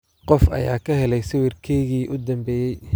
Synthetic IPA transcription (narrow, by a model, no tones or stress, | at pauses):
qɔfɐ̰ja̰ːkʰɐɦɛlɛjsɪwɪrkʰɛːɣiːʔʊd̪ɐmbɛːjɛj